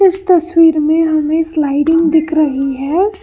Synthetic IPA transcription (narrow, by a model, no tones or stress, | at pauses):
ɪst̪ɐswiːɾmẽɦɐmẽslaɪɖɪ̃ŋɡd̪ɪkʰɾəɦiɦɛː